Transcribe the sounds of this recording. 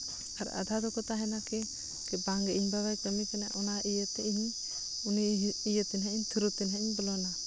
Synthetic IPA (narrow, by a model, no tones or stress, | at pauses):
aɾa̰d̪ʱad̪ɔkɔt̪aɦɛnakɛ | kɛbaŋɡɛʔiiɲbaɡajpəmikɛnaʔɔnaʔijət̪ɛʔiɦi | uniijət̪ɛnɦɛiɲt̪ʰuɾut̪inɦɛiɲbɔlɔna